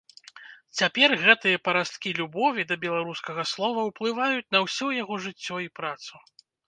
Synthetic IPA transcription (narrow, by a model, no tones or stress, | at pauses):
t͡sʲapʲɛrɣɛt̪ɨjɐpɐɾast̪kʲilʲubɔvʲid̪ɐbʲɛlˠaɾuskɐɣɐslˠɔvɐwplˠɨvajut͡sʲnɐwsʲɔjaɣɔʐɨt͡sʲːɔipɾat̪su